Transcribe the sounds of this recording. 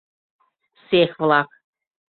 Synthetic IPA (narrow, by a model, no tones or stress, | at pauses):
sexvlˠɑk